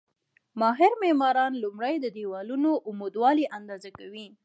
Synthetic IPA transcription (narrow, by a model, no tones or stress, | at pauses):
mɑɦɪɾmemɑɾɑnlʊmɽəjd̪əd̪ewɑlunoʔʊmed̪wɑliʔand̪ɑzakawi